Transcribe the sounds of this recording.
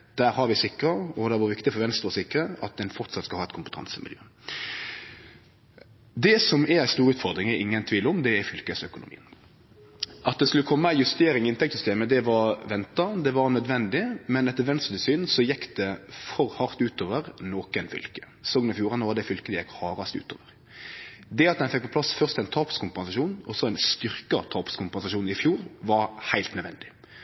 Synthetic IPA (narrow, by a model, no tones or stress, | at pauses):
d̪̥æːɾhɑɾʋɪsɪkːɾɑɔd̪æʋɑɾʋɪkt̪ɪfɔɾʋɛnst̪ɾɑsɪkːɾəɑ̰t̪̚d̪ɛnfɔʁt̪sɑt̪skɑlhɑːɛt̪kʰʊmpə̥t̪ʰɑ̰nsəmʔɪ̰ljø̰ː | d̪ɛsɔmɛɾæɪst̪uːɾʉːt̪fɔɾd̪ɾɪŋɛɾɪŋːənt̪ʰʋiːləɔmd̪ɛæfʏlkəsœkʊnʊmḭːən | ʔɑt̪̚d̪ɛskʉləkʰɔmːəæjʉst̪eːɾɪŋɪɪnt̪ʰɛk̚t̪sʏst̪eːməd̪ɛʋɑɾʋɛnt̪ɑd̪ɛʋɑɾnœd̪ʋɛnd̪ɪmɛnɛt̪ːəɾʋɛnst̪əd̪ɪsyːnsɔjɛkːd̪̥ɛfɔɾhɑʁt̪ʉːt̪oːʋəɾnoːkənfʏ̰lkə̥ | soːɡnɪfjuːɾɑnəʋɑʁd̪ɛfʏlkəd̪ɛjɛkːhɑːɾɑst̪ʉ̰ːt̪ʰo̰ːʋəɾ | d̪ɛɑt̪̚d̪ɛnfɛk̚pʰɔpʰlɑsfœʁst̪ɛnt̪ʰɑːpskʊmpɛnsɑʂuːnɔsɔɛnst̪ʏɾkɑt̪ʰɑːpskʰʊmpɛnsɑʂuːnɪfjuːɾʋɑɾhæɪlt̪nœd̪ʋɛ̰nd̪ɪ̥